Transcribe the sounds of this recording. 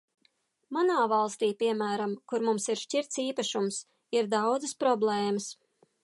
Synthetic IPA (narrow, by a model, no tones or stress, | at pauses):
manaːvɑlˠst̪iːpiɛmæːɾamkuɾmumsiɾʃciɾt̪siːpaʃums | iɾd̪awd̪zɨspɾɔblˠeːməs